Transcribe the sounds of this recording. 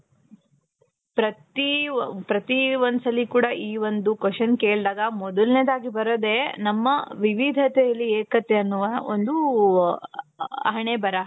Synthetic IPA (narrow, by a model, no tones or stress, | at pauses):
pɾɐt̪ipɾɐt̪iʋonsɐlːikuːɽɐʔiːʋond̪ukɐʂɐnkeːɭd̪aːɡɐmɔd̪ulneːd̪aːɡibɐɾɐd̪e̞nɐmːɐʋiʋid̪ʱɐt̪ɛjɐlːieːkɐt̪eɐnːuʋɐond̪u | ɐ̰ɦɐɳebɐɾɐ